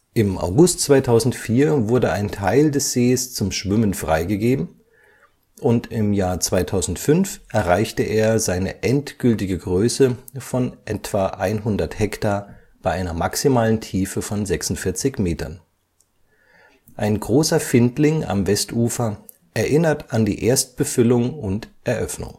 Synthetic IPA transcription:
ʔɪmʔa̰ʊɡʊstt͡sv̥aɪtʰaʊzn̩tfiːɐvʊɐdəaɪntʰaɪldɛsz̥eːst͡sʊmʃv̥ʏmənfʁ̥a̰ɪɡəɡeːbm̩ | ʔʊntɪmjaːɐt͡sv̥aɪtʰaʊzn̩tfʏnfʔɛɐʁaɪçtəʔeːɐzaɪnəʔɛntɡ̥ʏltɪɡəɡʁøːsəfɔnʔɛtv̥aːʔaɪnɦʊndɐthɛktaːɐ | b̥aɪʔaɪnɐmaksimaːləntʰiːfəfɔnzɛksʊn̩tfɪɐt͡sɪçmeːtɐ̰n | ʔaɪnɡʁoːsɐfɪntlɪŋa̰mvɛstʔuːfɐ | ʔɛɐʔɪnɐtandḭːʔeːɐst̚b̥əfʏlʊŋʊntʔɛɐʔœfnʊ̰ŋ

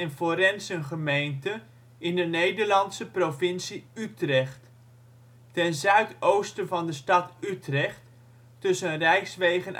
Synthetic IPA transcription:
ɛnfoɾɛnsənχəmejntə | ɪndənejdəɹlɑntsəprovɪnsiytrɛχtː | ɛnzœɥtowstənvɑndəstɑtytrɛχt | tɵsənrɛjksʋejχən

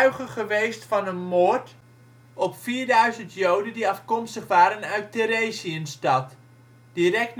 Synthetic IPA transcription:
ɥχəχəʋejstfɑnənmoːɹt | ɔpfiːɹdœɥzəntjowdəndiɑfkɔmstəχʋaːɾənœɥteɾeːsiənstɑt | d̥irɛk̚tn

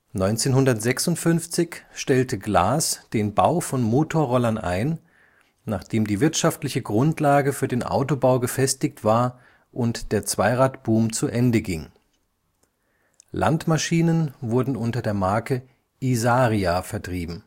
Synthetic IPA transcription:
nɔʏnt͡seːnhʊndɐtz̥ɛksʊntfʏnft͡sɪçʃtɛltəɡla̰ːsd̥eːnba̰ʊfɔnmoːtʰoːɐʁɔlɐnʔa̰ɪn | naːχd̥eːmdiːvɪɐtʃaftlɪçəɡʁʊntlaːɡəfyːɐdeːnʔa̰ʊtobaʊɡəfɛstɪçtv̥aːɐ | ʔʊntd̥eːɐt͡sv̥aɪʁaːtb̥uːmt͡suʔɛndəɡɪŋ | lʔa̰ntmaʃiːnənvʊɐdn̩ʔʊntɐdeːɐmaɐkə | ʔizaːʁiafɛɐtʁ̥iːbm̩

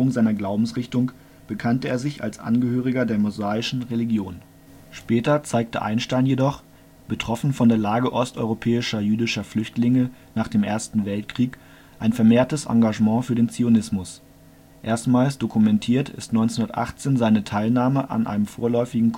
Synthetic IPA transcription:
ʊŋzaɪnɐɡlaʊbm̩sʁɪçtʊŋ | b̥əkʰantəeːɐzɪça̰lsʔa̰nɡəhøːʁ̞ɪɡɐdeːɐmozaːɪʃn̩ʁeliɡjoːn | ʃpɛːtɐt͡saɪk̚tə̰ʔa̰ɪnʃtaɪnjedɔχ | b̥ətʁ̥ɔfn̩fɔndeːɐlaːɡəʔɔstʔɔ̰ʏʁopʰɛːɪʃɐjyːdɪʃɐflʏçtlɪŋənaːχd̥eːmʔḛːɐstn̩vɛltkʁ̥iːk | ʔaɪnfɛɐmeːɐtəsʔa̰ŋɡaʒmɑ̃ːfyːɐdeːnt͡sionɪsmʊs | ʔeːɐstmaːlsd̥okʰumɛntʰiːɐtʰɪ̰stnɔʏnt͡senhʊndɐtʔa̰χt͡seːnzaɪnətʰaɪlnaːməʔa̰nʔa̰ɪnəmfo̰ːɐlɔʏfɪɡŋ̩kʰ

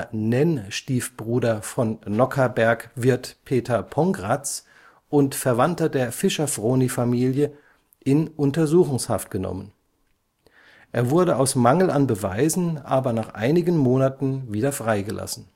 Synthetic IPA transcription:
nɛnʃtiːfb̥ʁuːdɐfɔnːɔkʰɐbɛɐkvɪɐtpʰeːtʰɐpʰɔŋɡʁat͡s | ʔʊntfɛɐvantɐdeːɐfɪʃɐfʁoːnifamiːljə | ʔɪnʔʊntɐzuːxʊŋshaftɡ̥ənɔ̰mən | ʔeːɐvʊɐɾəaʊsmaŋl̩anbəvaɪzn̩ʔaːbɐnaːχʔa̰ɪnɪɡən̩moːnatn̩viːdɐfʁ̥aɪɡəlʔa̰sn̩

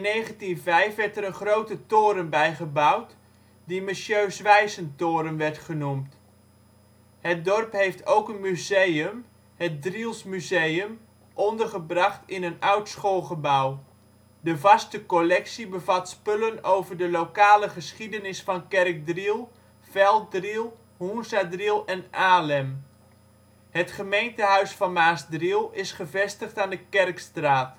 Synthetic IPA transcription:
ɪnːejχəntinvɛjfʋɛɹtəɾənχrowtətoːɾəmbɛjχəbʌwt | dimɪsjøɥsʋɛjzəntoːɾəmʋɛɹtχənumt | hət̚dɔrpɦejftʰowkənmyzejəm | hət̚drilˠsmyzejəm | ʔɔndərχəbrɑχtɪnənœwtsχolˠχəbaw | dəvɑstəkolɛksibəvɑtspɵlənowvərdəlokaːləχəsχidənɪsfɑnkɛrk̚drilˠ | fɛlˠt̚drilˠ | hunsadrilˠɛnʔaːlɛm | hətχəmejntəɦœɥsfɑnmaːsdrilˠɪsχəvɛstəχtaːndəkɛrkstraːt

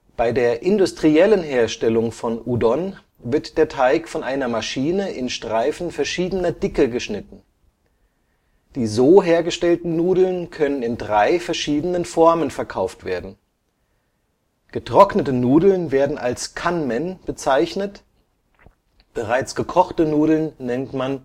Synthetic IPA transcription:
b̥aɪdeːɐʔɪndʊstʁ̥iɛlənɦeːɐʃtɛlʊŋfɔnʔudɔn | vɪɐtd̥eːɐtʰaɪkfɔnʔaɪnɐmaʃiːnəʔɪnʃtʁ̥aɪfn̩fɛɐʃiːdənɐdɪkəɡəʃnɪtn̩ | d̥iːzoːɦeːɐɡəʃtɛltn̩nːuːdl̩nkʰœnənɪndʁaɪfɛɐʃiːdənənfɔɐmənfɛɐkʰaʊftv̥eːɐdn̩ | ɡ̥ətʁ̥ɔknətənuːdl̩nveːɐdn̩ʔa̰lskʰanmɛnb̥ət͡saɪçnət | b̥əʁaɪt͡sɡ̥əkʰɔχtənuːdl̩nːɛntman

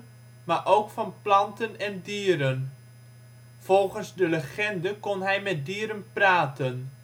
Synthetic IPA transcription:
maːʔowkfɑnplɑntənɛndiːɾən | v̥ɔlˠχənzdələχɛndəkɔnɦɛjmɛt̚diːɾənpraːtən

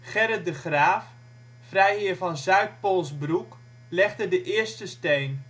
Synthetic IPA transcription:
χɛɾədəχraːfː | rɛjɪəvɔnzœɥt̚polˠsbruk | lɛχdədəʔɪəɹstəsteːn

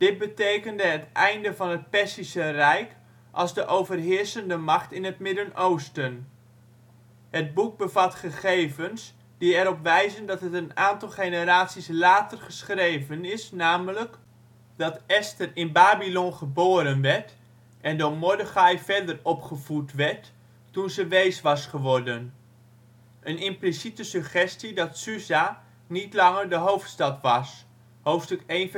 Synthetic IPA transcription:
d̥ɪt̚bətejkəndəɦətʔɛjndəvɑnət̚pɛɹsisərɛjk | ʔɑ̰lˠzdəʔowvərɦɪəɹsəndəmɑχtɪnətmɪdənʔowstən | həd̚buk̚bəvɑtχəχejvəns | d̥iɛɾɔpʋɛjzəndɑtɦətənaːntɑlˠχenəɾaːtsislaːtərχəsχrejvənɪsnaːmələk | dɑtɛstərɪnbaːbilɔnχəboːɾənʋɛɹt | ʔɛndoɹmɔdəχɑjvɛɹdərɔpχəvutʋɛɹtː | unzəʋejsʋɑsχəʋɔɹdən | ʔənɪmplisitəsøχɛstidɑtsyza | nitlɑŋəɹdəɦowftstɑtʋɑs | howftstɵkejn

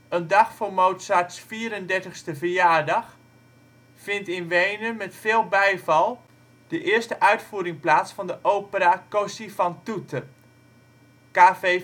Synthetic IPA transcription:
əndɑxfoːmowtsatsfiəɾəndɛɹtəχstəvərjaːrdɑx | fɪntɪnʋejnəmɛtfɪːlˠbɛjvɑlˠ | d̥əʔɪəstəʔœɥtfuːɾɪŋplaːsfɑndəʔowpəɾakosifɑntutʰə | kaːfe

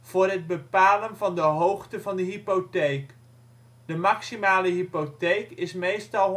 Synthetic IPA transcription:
v̥ʊːrɦəd̚bəpaːlənvɑndəɦowχtəvɑndəɦipotejk | d̥əmaksimaːləɦipotejkɪsmejstɑlˠ

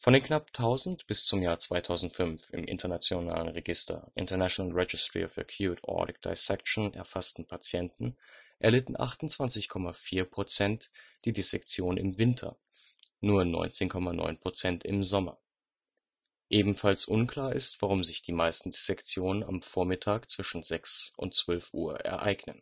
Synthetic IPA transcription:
fɔndeːnknap̚tʰaʊzn̩tb̥ɪst͡sʊmjaːɐt͡sv̥aɪtʰaʊzn̩tfʏnfɪ̰mʔɪ̰ntɐnat͡sjona̰ːlənʁeɡɪstʰɐ̰ʔɪ̰ntɐnaʃonalʁɛd͡ʒɪstʁ̥ḭɔfəkʰjuːtʰʔɔ̰ːɾɪk̚d̥a̰ɪsɛkʃn̩ʔɛ̰ɐfastn̩pʰat͡sjɛntn̩ʔɛɐlɪtn̩ʔa̰χtʊn̩t͡sv̥ant͡sɪçkʰɔmafiːɐpʁ̥ot͡sɛntd̥iːdesɛkt͡sjoːnnɪmvɪntʰɐ̰ | nuːɐnɔ̰ʏnt͡seːnkʰɔmanɔ̰ʏnpʁ̥ot͡sɛntʰɪmzɔmɐ̰ | ʔeːbm̩falsʔʊnkl̥aːɐʔɪ̰stv̥aʁ̞ʊmzɪçd̥iːmaɪstn̩desɛkt͡sjoːnəna̰mfoːɐmɪtʰaːkt͡sv̥ɪʃn̩zɛksʔʊ̰ntt͡sv̥œlfʔuːɐʔɛ̰ɐʔa̰ɪɡnə̰n

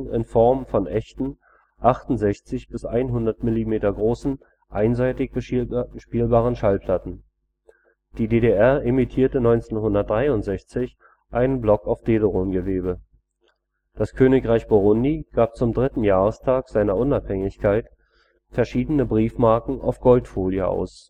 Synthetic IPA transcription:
ɪ̰nfɔɐmfɔnʔɛçtn̩ | ʔaχtʊn̩zɛçt͡sɪçb̥ɪsʔaɪnɦʊndɐtmɪlimeːtɐɡʁoːsn̩ | ʔaɪnzaɪtɪçbʃpiːlbaːʁənʃalpʰl̥atn̩ | d̥iːdeːdeʔɛɐʔemitʰiːɐtənɔʏnt͡seːnɦʊndɐt̚d̥ʁaɪʊntz̥ɛçt͡sɪç | ʔaɪnənblɔkaʊfd̥eːdəʁoːnɡəveːbə | d̥askʰøːnɪkʁaɪçb̥oʁʊndiɡ̥aːp̚t͡sʊmdʁɪtn̩jaːʁəstʰaːkz̥aɪnɐʔʊnaphɛŋɪçkʰaɪt | fɛɐʃiːdənəbʁiːfmaɐkŋ̩ʔa̰ʊfɡ̥ɔltfoːljəʔa̰ʊs

